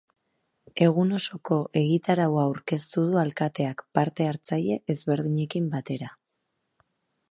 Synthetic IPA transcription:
e̞ɣuno̞so̞ko̞ʔe̞ɣ̞it̪aɾawaːwɾke̞st̪uð̞ualkat̪e̞akpaɾt̪e̞aɾt͡saje̞ʔːzβe̞ɾðiɲe̞kimbat̪e̞ɾa

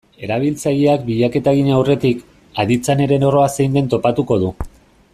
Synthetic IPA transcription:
e̞ɾaβ̞ilt͡saje̞ak̚biʎake̞t̪aɣiɲawre̞t̪ik | aðit͡sane̞ɾe̞no̞ro̞ase̞jnd̪e̞nt̪o̞pat̪uko̞ð̞u

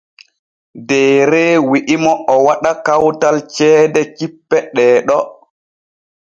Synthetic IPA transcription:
dɛːɾɛwiʔimɔʔɔwaɗakawtalt͡ʃɛːdɛkipːɛɗɛːɗɔ

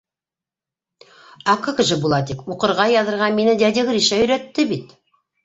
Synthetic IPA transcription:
ɑkokʒɘbulˠɑt̪ikuqɤ̆ɾʁɑjɑðɤ̆ɾʁɑnminɘd̪æd̪ɘɡɾiʃæɵ̆ɾæt̪ːɘbit̪

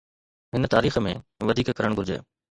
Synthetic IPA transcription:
ɦɪnt̪aːɾiːxmḛ̃ʋɐd̪ʱiːkkɐɾəɽ̃ɡʱʊɾd͡ʑḛː

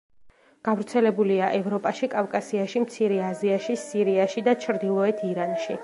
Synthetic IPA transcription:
ɡ̥avɾt̪sʰɛlɛbuliaʔɛvɾɔpʼaʃikʼavkʼasiaʃimt̪sʰiɾɛaziaʃisiɾiaʃid̪at͡ʃʰɾd̪ilˠɔɛt̪ʰiɾanʃi

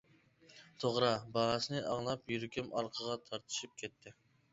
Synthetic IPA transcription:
t̪ʰoʁɾɑbɑɾɑsɨnɨʔɑŋlˠɑpjyɾkʲymɑɾqʰəʁɑt̪ʰɑɾt̪ʰɨ̥ʃip̚kʲʰɛt̪ʰːɪ

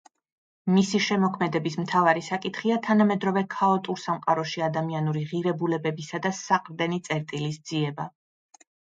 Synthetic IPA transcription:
misiʃɛmɔkʰmɛd̪ɛbismt̪ʰavaɾisakʼit̪ʰχiat̪ʰanamɛd̪ɾɔvɛkʰaɔt̪ʼuɾsamqʼaɾɔʃiad̪amianuɾiʁiɾɛbulɛbɛbisad̪asaqʼɾd̪ɛnit̪sʼɛɾt̪ʼilisd̪z̥iɛba

